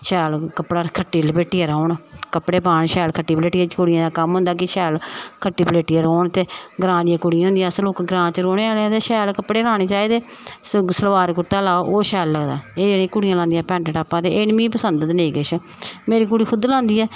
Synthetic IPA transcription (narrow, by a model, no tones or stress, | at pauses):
ʃɛːlkəpɽaːkʰəʈːiːlbeːʈːiːɛːɾaːɳkəpɽeːpaːɳʃɛːlkʰəʈːiːpleːʈɪjãːt͡ʃkʊɽɪjãːd̪aːkəmɦʊ̃nd̪aːk̬ɪʃɛːlkʰəʈːiːpleːʈiːɛːɾoːɳt̪eːɡɾãːd̪ɪjãːkʊɽɪjãɦʊ̃nd̪jãːsloːkɡɾãːt͡ʃəɾoːɽeːaːɽẽt̪eːʃɛːlkəpɽeːɾãːɽ̃eːt͡ʃaːiːd̪eː | ssəlʋaːɾkʊɾt̪aːlaːoʔoːʃɛːlːəɡd̪a̰ːeːd͡ʒeːɽẽːkʊɽɪjãːlãːnd̪ijãːpɛ̃ːɳʈəʈaːpːãːt̪eːʔɪnmĩːpəsənd̪t̪neːɡət͡ʃʰ | meːɾiːk̬ʊɽiːkʰʊd̪lãːnd̪iːɛː